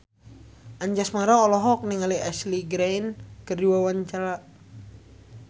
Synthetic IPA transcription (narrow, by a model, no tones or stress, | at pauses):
ʔaɲd͡ʒasmaɾaːlɔɦɔk̚niŋaliasliɡɾajnkərdiwawaɲt͡ʃaɾa